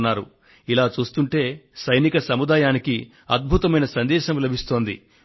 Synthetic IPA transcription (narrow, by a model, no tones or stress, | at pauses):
nːaːɾṵ | ilaːt͡ʃuːst̪uɳʈe̞ːsɐjnikɐsɐmud̪aːjaːniki | ɐd̪̚bʱut̪ɐmɐjnɐsɐnd̪ɛːʃɐmlɐbʱist̪o̞ːnd̪ḭ